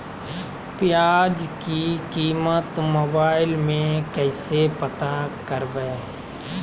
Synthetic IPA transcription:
pɪjaːd͡ʒkikiːmət̪məbaːɪlmẽkɛːsepət̪akəɾbɛː

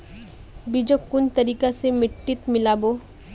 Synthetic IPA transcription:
bid͡ʒokːʊnt̪ɐɾiːkasemɪʈːɪt̪mɪlaːboː

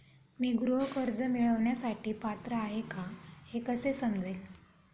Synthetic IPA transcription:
miːɡɾuɦəkəɾd͡zəmiɭəʋɳjasaʈiːpat̪ɾəaɦekʰãhekəsesəmd͡zel

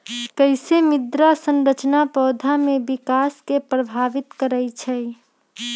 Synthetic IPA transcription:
kəɪsemɪd̪ɾasənɾət͡ʃnapɔːd̪ʱamebikaskepɾəbʱaʋɪt̪kəɾət͡ʃʰɛ

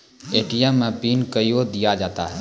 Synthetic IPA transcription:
eːʈijɛmːẽpiːnkəjjod̪ɪjad͡ʒaːt̪aɦɛ

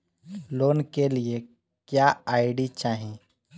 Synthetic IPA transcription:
loːnkelie | kjaaɪɖit͡ʃaːɦẽ

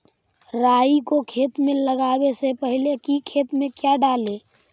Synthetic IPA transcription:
ɾaikokʰet̪mẽləɡabesepəɦilekikʰet̪mẽkjaɖale

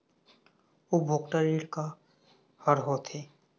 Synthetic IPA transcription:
ubʱoːkʈəɾiːɽka | həɾɦot̪ʰeː

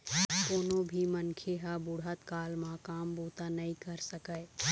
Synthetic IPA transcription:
koːnobʱimənkʰeɦəbʊɽɦət̪kaːlmãkaːmbuːt̪anəĩkəɾsəkəj

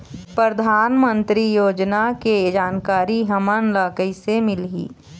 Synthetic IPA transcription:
pɾəd̪ʱaːnmə̃nt̪ɾijoːd͡ʒnaked͡ʒaːnkaːɾiɦɐmənləːkəisemɪlɦḭː

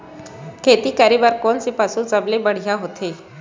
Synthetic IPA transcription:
kʰet̪iːkaɾibaɾkonsepasut͡səblebəɽ̤jaɦot̪ʰe

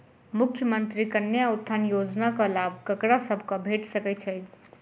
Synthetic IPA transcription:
mukʰjəmənt̪ɾikənjaut̪ʰːanjod͡ʒnakə̃labʱkəkɾasəbʱkʌbʱeʈsəkɛt͡ʃʰɛ

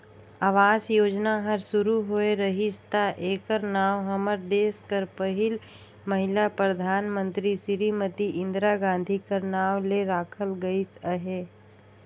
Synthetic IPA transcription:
aːʋaːsjoːd͡ʒnaɦɐɾsʊɾuɦoeɾɐɦɪst̪aʔeːkəɾnaːʋɦɐməɾd̪eːskəɾpəɦɪl | məɦɪlapɾəd̪ʱaːnmə̃nt̪ɾisɪɾimət̪iʔɪ̃nd̪ɾaɡãːn̆d̪ʱikəɾnaːleɾaːkʰəlɡɐisəɦeː

